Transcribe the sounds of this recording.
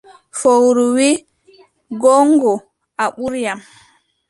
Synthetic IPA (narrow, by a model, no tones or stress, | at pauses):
fowɾuwi | ɡɔŋɡɔ | aɓuɾjam